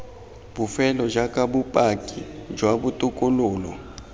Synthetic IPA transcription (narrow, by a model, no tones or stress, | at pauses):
bufɛlɔd͡ʒakʼabupʼakʼid͡ʒwabutʼukʼuluːlɔ̰